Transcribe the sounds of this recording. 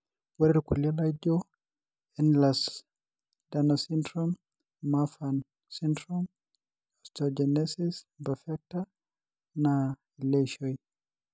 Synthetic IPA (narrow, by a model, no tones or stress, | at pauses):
waɾɛɾkulalad͡ʒɔ | ɛnlas | danɔsindɾɔm | mafan | sindɾɔm | ɔstɔd͡ʒɛnɛsisbafɛk̚ta | na | ɛlɛʃɔj